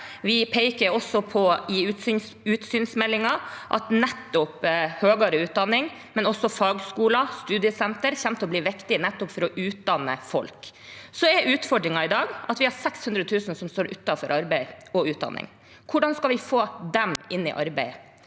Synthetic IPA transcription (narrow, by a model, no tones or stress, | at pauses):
ʋɪpʰeɪkəɾɔsːɔpʰɔɪ | ʉːt̪syːnsmɛlːɪŋɑʔɑ̰t̪nɛt̪ːɔphøːɡɑɾəʉːt̪̚d̪ɑnːɪŋ | mɛnɔsːɔfɑːɡskuːlɑst̪ʉːd̪ɪəsɛnt̪əɾçɛmt̪əɔbliːʋɪkt̪ɪnɛt̪ːɔpfɔɾɔʔʉːt̪̚d̪ɑnːə̰fɔ̰lksɔɛɾʉːt̪fɔɖɾɪŋɑɪd̪ɑːɡʔɑt̪ʋɪhɑɾsɛkshʉnd̪ɾəət̪ʰʉːsənsɔmst̪oːɾʔʉt̪ːɑfɔɾʔɑɾbæɪɔʉːt̪̚d̪ɑ̰nːɪ̰ŋ | kʰʊɖɑnskɑlʋɪfoːd̪ɛmɪnːɪ̰ʔɑ̰ɾbæɪ